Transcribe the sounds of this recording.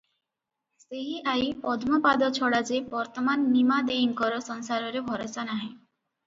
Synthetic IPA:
seɦiʔajpɔd̪ʱmopad̪ɔt͡ɕʰɔɽad͡ʑebɔɾt̪omanːimad̪eiŋkɔɾosɔnsaɾoɾebʱɔɾosanaɦẽ

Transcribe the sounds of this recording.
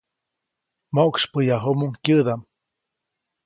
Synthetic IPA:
moʔkspɨjaɦumuŋkʲɨðam

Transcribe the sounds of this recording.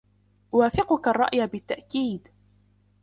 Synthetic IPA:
ʔwaːfɪqʊkarˤːɑ̰ʔjabɪt̪ːaʔkiːd̪

